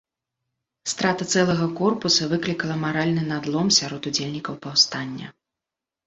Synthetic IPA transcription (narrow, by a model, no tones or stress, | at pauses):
st̪ɾat̪ɐt̪sɛlˠɐɣɐkɔrpusɐvɨklʲikɐlˠɐmaɾalʲnɨnad̪lˠɔmsʲaɾɔt̪ud͡zʲelʲnʲikɐwpawst̪anʲːɐ̰